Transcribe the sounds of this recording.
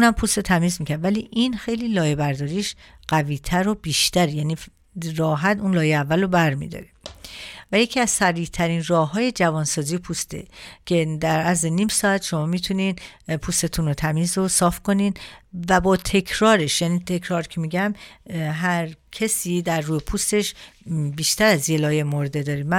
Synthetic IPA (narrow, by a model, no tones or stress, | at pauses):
unæmpʰuːst̪ot̪ʰæmiːzmiːcʰæɾd̪væliʔinxe̞jliːlɒːjebæɾd̪ɒːɾiːʃɢ̥æviːt̪ʰæɾo̞biːʃt̪æɾjæːniː | rɒːɦæt̪unlɒːjeævːælːobæɾmḭd̪ɒ̰ɾe | væjecʰiæzsæɾiːt̪ʰæɾiːnrɒːɦɒːje̞d͡ʒævɒːnsɒːziːpʰust̪e̞̰cʰe̞d̪æɾæzenimsɒæt̪ʃo̞mɒːmit̪ʰuniːnpʰust̪e̞t̪ʰunot̪ʰæmiːzosɒːfkʰo̞nid̪væbɒːt̪ʰe̞cʰɾɒːɾe̞ʃjæːniːt̪ʰekʰɾɒːɾcʰe̞miɟæmɦæɾcʰesiːd̪æɾːuːjepʰust̪e̞ʃbiːʃt̪æɾæzjelɒːjemoɾd̪e̞d̪ɒːɾiːmæ